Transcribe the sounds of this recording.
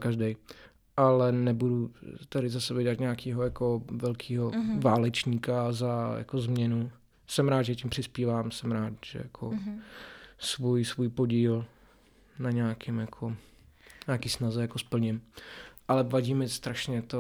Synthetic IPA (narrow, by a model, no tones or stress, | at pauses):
kaʒdɛj | ʔalɛnɛbudut̪aɾɪzasɛbɛɟɛat̪ɲaːkiːɦojakovɛlkʰiːɦovaːlɛt͡ʃɲiːkazaja̰kozmɲɛnu | sɛmɾaːd̪ʒɛc̬ɪmpr̥ɪspiːvaːmsɛmɾaːt̪ʒ̥ɛ̰jakʰo̰ | svujsvujpoɟiːl | naɲaːkɪmjakʰo | ɲaːkiːsnazɛjakospl̩ɲɪmʔalɛvaɟiːmɪst̪ɾaʃɲɛt̪o